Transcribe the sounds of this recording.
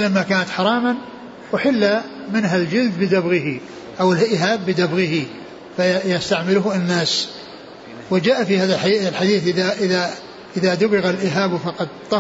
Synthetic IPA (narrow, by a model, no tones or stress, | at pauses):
lamːakaːnat̪ħɑɾˤɑːman | wɪħɪlːa | mɪnɦald͡ʒɪld̪bɪd̪abɣɪɦi | ʔawɪlʔɪɦaːbːɪd̪abɣɪhi | fajast̪aʕmɪlʊɦɪnːaːs | wɪd͡ʒaːʔafihaːðallħad̪iːθʔɪðaʔɪða | ʔɪðad̪ʊbɪɣalʔɪɦaːbfɑqɑd̪̚t̪ˤːɑ